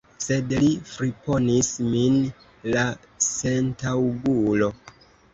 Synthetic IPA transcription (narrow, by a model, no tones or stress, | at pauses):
se̞dlifɾipo̞nismin | la | se̞ntawɡulo̞